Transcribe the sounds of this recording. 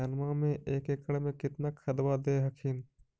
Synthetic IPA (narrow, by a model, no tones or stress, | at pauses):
anmamẽʔeːkekəɽmẽkɪt̪nakʰəd̪wad̪eːɦəkʰɪn